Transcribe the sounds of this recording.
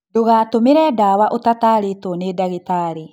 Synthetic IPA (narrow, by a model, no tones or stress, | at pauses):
doɣaːtomeɾɛdaːwaʔotataːɾetonedaɣetaɾe